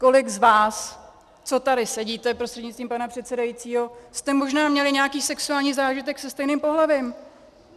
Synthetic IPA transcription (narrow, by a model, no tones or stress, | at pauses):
ko̞lɪɡzvaːs | t͡so̞t̪adɪsɛɟiːt̪ɛpɾost̪r̥ɛdɲɪt͡st̪viːmpanapr̝̥ɛt̪sɛdajit͡siːɦo̞st̪ɛmo̞ʒnaːmɲɛlɪɲɛakiːsɛksuaːlɲiːzaːʒɪt̪ɛksɛst̪ɛjnɪmpo̞ɦlavɪm